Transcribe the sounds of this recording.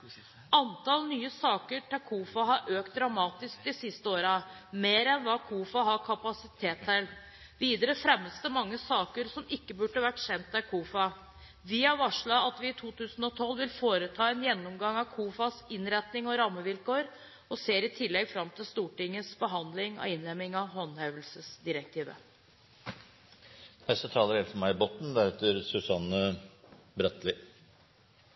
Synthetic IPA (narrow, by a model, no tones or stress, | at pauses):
ɑnt̪ʰɑlnyːəsɑːkəʈɛkʰuːfɑɦɑɾʔøːkt̪̚d̪ɾɑmɑːt̪ɪsk̚d̪ɪsɪst̪əoːɾɑmeːɾɛnʋɑːkʰuːfɑɦɑkʰɑpɑsɪt̪ʰeːt̪hɛl | ʋiːd̪əɾəfɾɛmːəst̪əmɑŋːəsɑːkəɾsɔmɪkːəbʉɖəɑʋæʈːɕɛnt̪ʰːækʰuːfɑ | ʋɪhɑɾʋɑʂɭɑɑt̪ʋɪːt̪ʰuːt̪ʉːsən̩ɔt̪ʰɔlːʋɪlfoːɾət̪ʰɑːɛnjɛnːɔmɡɑŋɑʋkʰuːfɑsɪnɾɛt̪nɪŋɔɾɑmːəʋɪlkoːɾ | ɔseːɾɪt̪ʰɪlːɛɡfɾɑmt̪ɪlst̪uːʈɪŋːəsbəɦɑnd̪lɪŋɔ̰ɪnlɛmːɪŋɑhɔnhɑʋəlsəsd̪ɪɾək̚t̪ʰiːʋə̰ | ɛsɔt̪ʰɑːləɾheːlfɔmæɪɪbot̪n̩d̪æɾheːt̪əɾsʉsɑnə | bɾœt̪lɪ